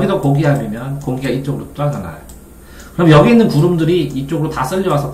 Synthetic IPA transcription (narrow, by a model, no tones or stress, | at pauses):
ɡidokoɡiɦamimjʌnkoŋɡiɦait͡ɕ͈oɡɯɾot͈oanana̰jo | kɯɾʌmjʌɡiːnːɯnpuɾumdɯɾiːt͡ɕ͈oɡɯɾotas͈ɯʎːiwasʰʌ